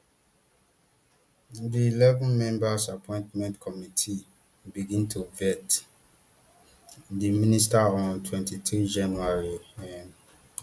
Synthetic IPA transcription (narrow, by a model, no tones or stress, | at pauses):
diːlɛvɔ̃nmɛ̃mbasapʰɔ̃ɪ̃ntmɛ̃ntkʰɔmitʰi | biɡĩntʰuvɛt | dimĩnistaɔ̃ntʰwɛ̃ntʰitʰud͡ʒãnuaɹiɛ̃n